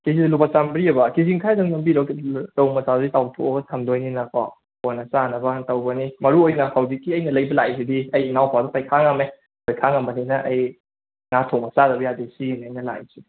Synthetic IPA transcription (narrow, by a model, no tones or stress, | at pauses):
kizidɐlupasambɾiɐbɐkiziŋkʰajdɐŋnɐmbiɾawklɐwmɐsadoditawtʰo̰ɡɐtʰamdojninakʰɔ̰ | ponɐsanɐbɐtɐwbɐnimɐɾuojnɐhawzikːiɐjnɐlɐjbɐlajsidiɐjnawpʰawdɐtʰajkʰaŋame | pʰajkʰaŋambɐninɐʔɐj | ŋatʰowmɐsadɐbjadisinɐjnɐla̰jsi